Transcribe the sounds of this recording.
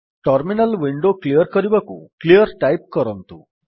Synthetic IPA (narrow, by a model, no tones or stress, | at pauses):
ʈɔɾminəlʋiɳɖoklijəɾkɔɾibakṵklijəɾʈajp̚kɔɾɔnt̪ṵ